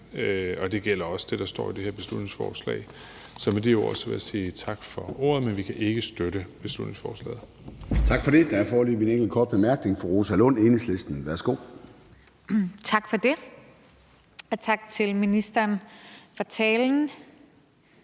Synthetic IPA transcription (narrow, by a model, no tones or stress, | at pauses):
ɒ̽d̥e̝ɡ̥el̰ɐɒ̽sə̥d̥e̝d̥ɑ̈sd̥ɒ̰ːid̥e̝heɐ̰be̝slud̥ne̝ŋsfɒ̰ːslɛ̰ɪ | sɒ̽med̥ejoɒsʋeðˠɐsiːt͡sʰɑ̈ɡ̥fɒ̽o̝̰ːɐðˠmenʋikʰæʔe̝ɡ̥əsd̥øɾəb̥e̝slud̥ne̝ŋsfɒːslɛ̰ːð̩ˠ | t͡sʰɑ̈ɡ̥fɒ̽ɾe̝d̥ææɐfɒːlymineŋɡ̥l̩kʰɒ̰ːd̥̚b̥emæɐɡ̥ne̝ŋfɒʁo̝ːsælɔneːnsle̝sd̥n̩ʋæɐsɡ̥o̝̰ː | t͡sʰɑ̈ɡ̥fɒd̥e̝ | ɒt͡sʰɑ̈ɡ̥t͡sʰe̝lminisd̥ɐnfɒt͡sʰɛːln̩